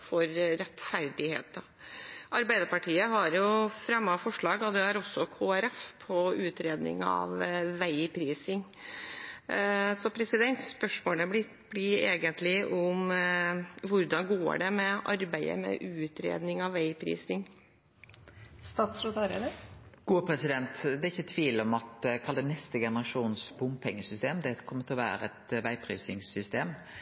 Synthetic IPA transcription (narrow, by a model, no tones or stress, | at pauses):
fɔɾːɛt̪ːfæɾɖɪhḛːt̪̚d̪ɑ | ʔɑɾbæɪd̪əɾpɑʈʰiːəɦɑɾjʊfɾɛmːɑfɔʂɭɑːɡɔd̪ɛæɾɔsːɔkʰoːæɾɛfpʰɔʉːt̪ɾeːd̪nɪ̰ŋɑ̰ʋʋæɪpʰɾiːsɪŋ | sɔpʰɾɛsɪd̪ɛnt̪spœʂmoːləblɪt̪b̥lɪeːɡənt̪lɪʔɔʊm | ʋʊɾd̪ɑnɡo̰ːɖɛmɛʔɑɾbæɪə̰mɛ̰ʔʉːt̪ɾḛːd̪nɪŋɑʋːæɪpʰɾḭːsɪŋ | st̪ɑːt̪sɾot̪ɑɾəd̪əɡ̥uːpʰɾɛsɪd̪ɛnt̪d̪ɛɾɪçːət̪ʰʋiːlɔmɑt̪kʰɑld̪ənɛst̪əɡɛnəɾɑʂuːnsbʊmpʰɛŋːəsʏst̪eːmd̪ɛkʰɔmːət̪ʰlɔʋæ̰ːɾəɛt̪ʋæɪpʰɾḭːsɪŋsʏst̪eːm